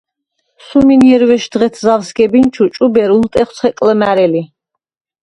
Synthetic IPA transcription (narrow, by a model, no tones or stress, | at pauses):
suminjɛɾvɛʃd̪ʁɛt̪ʰzavsɡɛbint͡ʃʰut͡ʃʼubɛɾult̪ʼɛχt̪sʰχɛkʼləmæɾɛli